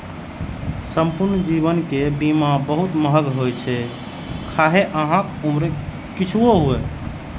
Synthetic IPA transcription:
səmpuɾnd͡ʒiβənkebimabəɦut̪məɦəɡɦojt͡ʃʰɛ | kʰaɦeʔəɦãkumɾe | kit͡ʃʰuoɦuɛ

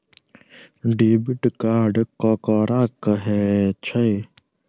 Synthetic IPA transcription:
ɖiːbiʈkaːɾɖkoːkɔːɾaːkɦɛːt͡ʃʰɐj

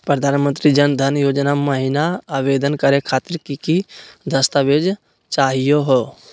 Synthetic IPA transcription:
pɾəd̪ʱaːnmə̃nt̪ɾid͡ʒənd̪ʱənjoːd͡ʒnaməɦɪnaaːʋeːd̪ənkəɾekʰaːt̪ɪɾkikid̪ʱəst̪əʋeːd͡ʒ | t͡ʃaːɦijoɦoː

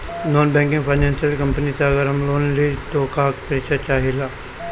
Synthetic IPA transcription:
noːnbɛ̃ːŋkɪ̃ŋɡpʰaːɪnɛ̃ːnsjəlkəmpənisaːɡəɾəmloːnlit̪oːkaːkpəɾɪkt͡ʃat͡ʃaːɦilaː

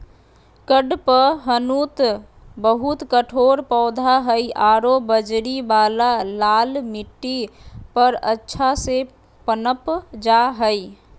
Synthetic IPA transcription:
kəɖpəɦənut̪ | bəɦut̪kəʈʰoɾpɔːd̪ʱaɦəjʔaɾobəd͡ʒɾibalalalmiʈːipəɾə̰tːʃʰase | pənəpd͡ʒaɦəɪ

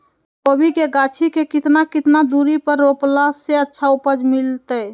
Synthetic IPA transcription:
obʱikeɡat͡ʃʰikekit̪nakit̪nad̪uɾipəɾːoplaseətːʃʰaupəd͡ʒmilt̪əj

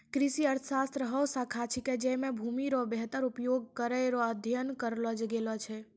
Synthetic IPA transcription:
kɾisiəɾt̪ʰəsast̪ɾəɦɔsakʰat͡ʃʰiked͡ʒemebʱumiɾɔbeɦt̪əɾupjoɡ̚kəɾəjɾɔəd̪ʱjənkəɾlɔd͡ʒɡelɔt͡ʃʰɛ

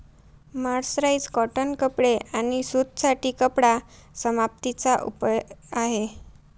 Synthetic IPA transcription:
maɾsɾaid͡zkɔʈənkəpɽeʔañisud̪saʈiːkəpɽa | səmap̚t̪it͡saʔṵpəaɦe

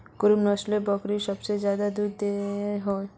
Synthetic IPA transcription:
kʊɾumnɔslebɔkɾisəbsezjaːd̪ad̪uɾd̪eɦoː

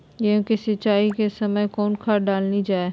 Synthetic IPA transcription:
jẽkesɐtːt͡ʃaːikesɐməjkɔːnkʰaɾɖaːlnid͡ʒaːeː

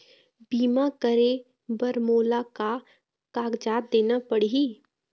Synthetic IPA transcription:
biːmakəɾe | bəɾmoːlaka | kaːɡd͡ʒaːt̪̚d̪eːnapəɽiɦiː

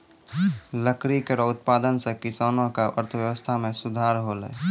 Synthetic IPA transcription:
ləkɾikeɾɔʊt̪̚paːd̪ənsekɪsaːnõkaʔə̰ɾt̪ʰəʋjəʋəst̪ʰamẽsʊd̪ʱaːɾɦoːlə̰ː

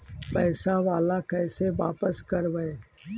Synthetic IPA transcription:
pɛːsaʋaːlakɛːseʋaːpəskɐɾʋɛe

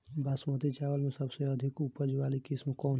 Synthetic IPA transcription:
basmət̪it͡ʃaːʋəlmẽsɐbseɐd̪ʱɪkupəɾd͡ʒʋaːlikɪsmkɔːn

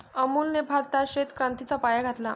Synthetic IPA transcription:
əmuːlnebʱaɾt̪aɕet̪kɾãnt̪it͡sapajaɡʱat̪la

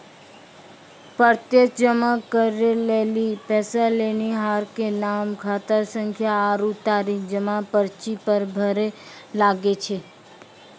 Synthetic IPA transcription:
pəɾt̪jekd͡ʒəmakəɾelelipɛːsaleniɦaːɾkenaːmkʰaːt̪əɾsə̃ŋkʰjaːɾut̪aːɾikd͡ʒəmãpəɾt͡ʃipəɾbʱəɾelaːɡet͡ʃʰe

